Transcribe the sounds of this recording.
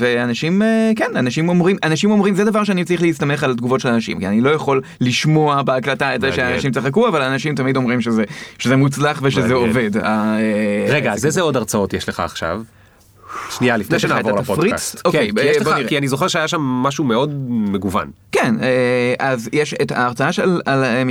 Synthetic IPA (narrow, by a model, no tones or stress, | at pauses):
veanaʃimekenanaʃimomʁimʔanaʃimo̞mʁimzed̪avaʁʃ̬eanit͡sʁiχleist̪ameχalat̪ɡuvo̞tʃelanaʃḭmkianilo̞jaχo̞lːiʃmo̞abeaklataetzeʃeanaʃimt͡saχakuavalaːnaʃimtamid̪o̞mʁimʃezeʃezemut͡slaχveʃezeove̞daeʁeɡazezeo̞daʁt͡sao̞tjeʃleχa̰ːχʃa̰v | ʃnialifneʃenaːvoalaapodfʁia̰ttokejbjeboaniʁekianizoχeʁʃeajaʃamːaʃumeo̞dmeɡuva̰nkeneʔazjeʃetaːʁt͡saaʃelalem